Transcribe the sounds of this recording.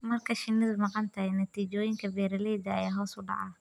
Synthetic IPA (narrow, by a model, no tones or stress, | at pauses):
mɐrkʰɐʃɪnːɪðɐmɑqɑnt̪ʰɐɦɛnɐt̪ʰiːt͡ʃɔːjɪŋkʰɐbɛːɾɐlɛjd̪ɐɐjaːɦɔːsʊɖɑ̰ʕɑ